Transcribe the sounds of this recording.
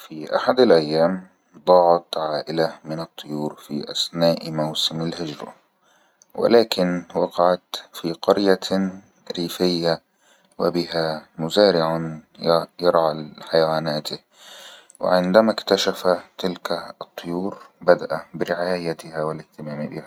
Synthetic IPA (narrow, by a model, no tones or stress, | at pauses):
fiʔa̰ħad̪alʔajːaːm | d̪ˤɑːʕɑt̪ʕaːʔɪlamɪnɨt̪ˤːʊjuːɾfiʔa̰snaːʔmawsɪmalhɪd͡ʒɾˤɑ̰ | wɪ̰laːkɪnwɑqɑʕat̪fiqɑɾja | ɾiːfɪjːa | wɪ̰bɪɦamʊzaːɾɪʕanjjɑɾˤʕaħajawaːnaːt̪ɪ | wɪ̰ʕɪnd̪amakt̪aʃafat̪ɪlkat̪ˤːʊjuːɾbad̪aʔabɪɾɪʕaːjat̪ɪhawɪlɪht̪ɪmaːmbɪ̰ha